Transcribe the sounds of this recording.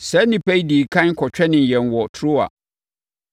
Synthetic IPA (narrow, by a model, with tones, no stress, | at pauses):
sɛ˦nĩ˨pʰɛ˦i˦diː˨kʰã˦n˦kʰɔ˨t͡ɕᶣɛ˦nɪ̃˨n˨jɛ̃˨nwɔ˨tʰʊ˦a̰˨